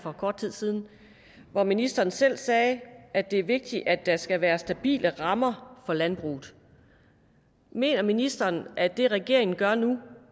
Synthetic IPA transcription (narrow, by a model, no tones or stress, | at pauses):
fɒ̽kʰɒːd̥̚t͡sʰið̞̰ˠsiːð̞ˠn̩ | ʋɒminisd̥ɐːn̩sel̰sɛːʔæ̥e̝æɐʋe̝ɡ̥̚d̥iʔæ̥æsɡ̥æʋæːɐsd̥æb̥ḭːlʔəʁɑ̈mɐfɒ̽lænb̥ʁṵːð̩ˠ | me̝̰ːnɐminisd̥ɐːnʔæd̥e̝ʁɛɡ̥e̝ɐe̝ŋn̩ɡ̥ɶɐnu